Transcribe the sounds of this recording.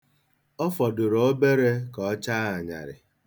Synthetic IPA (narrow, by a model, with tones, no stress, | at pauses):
ɔ˦fɔ˨dʊ˨ɾo˦be˦ɾe˦kɔ˨˦t͡ʃa˦a˨ɲa̰˨ɾɪ̰˨